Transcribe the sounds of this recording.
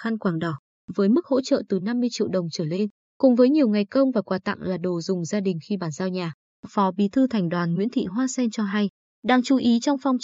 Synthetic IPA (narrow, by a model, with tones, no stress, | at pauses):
xa˧nkwaː˧˩ŋɗɔ˨˧˩ | vəː˨˦jmɨ˦˥k̚ho̰˧˥t͡ɕə̰ː˧˨t̪ɨ˨˩na˧mːɨ˧əjt͡ɕḭ˧˨wɗə˨˩wŋ͡mt͡ɕəː˧˩le˧n | kʊ˨˩ŋ͡mvəː˨˦jɲi˨˩əwŋa˨˩jkə˧wŋ͡mvaː˨˩kwaː˨˩t̪a̰˧˨ŋlaː˨˩ɗo˨˩zʊ˨˩ŋ͡mzaː˧ɗï˨˩ŋ̟xi˧ɓaː˧˩nzaː˧wɲaː˨˩ | fɔ˨˦ɓḭ˧˨t̪ʰɨ˧t̪ʰɛ˨˩jŋ̟ɗwaː˨˩nŋwḭ˧˥ənt̪ʰḭ˧˨ɦwaː˧sɛ˧nt͡ɕɔ˧ɦa˧j | ɗaː˧ŋt͡ɕu˨˦ʔi˨˦t͡ɕɔ˧wŋ͡mfɔ˧wŋ͡m